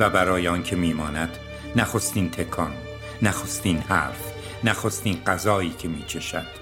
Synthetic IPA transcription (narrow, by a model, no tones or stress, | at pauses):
væbæɾɒːjeɒːncʰe̞miːmɒːnæd̪̥ | næxost̪iːnt̪ʰe̞kʰɒn | næxost̪iːnhæ̰ːɾf | næxost̪iːnɢæzɒːiːcʰe̞miːt͡ʃʰe̞ʃæ̰d̪̥